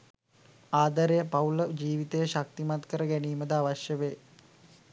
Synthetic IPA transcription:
aːd̪aɾejəpɐuləd͡ʒiːʋit̪əjəʃak̚t̪imat̪kəɾəɡæniːməd̪əaʋaʃjəʋeː

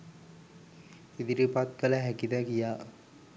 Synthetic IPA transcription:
id̪iɾipat̪̚kələɦækid̪əkijaː

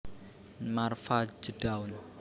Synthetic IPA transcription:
marfad͡ʒəɖ̥aun

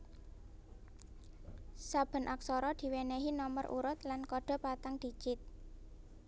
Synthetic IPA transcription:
sab̥ə̤nʔak̚sɔɾɔd̪̥i̤weneɦinɔmərʔṵɾʊt̪̚lankɔɖ̥ɔ̤pat̪aŋd̪̥i̤t͡ʃɪt̪̚

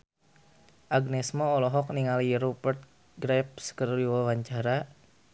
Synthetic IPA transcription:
ʔaɡnɛsmɔːlɔɦɔk̚niŋaliɾupərt̪̚ | ɡɾɛp̚skərliwawaɲt͡ʃaɾa

